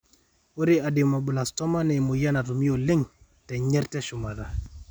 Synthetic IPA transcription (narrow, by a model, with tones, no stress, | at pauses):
o˦ɾi˦a˨di˨ma˨bu˨la˨stɔ˦ma˦nɛ˨mu˨ja˦na˨tu˨mi˦o˨li˦ŋ | tɛ˨ɲɛ˦ɾtɛ˦ʃu˨ma˨ɾa˨